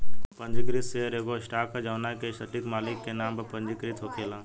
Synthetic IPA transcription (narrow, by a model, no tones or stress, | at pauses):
pənd͡ʒikɾit̪seəɾeːɡosʈaːkəd͡ʒawnakesəʈikmaːlikːenaːmbəpənd͡ʒikɾit̪ɦokʰeːlãː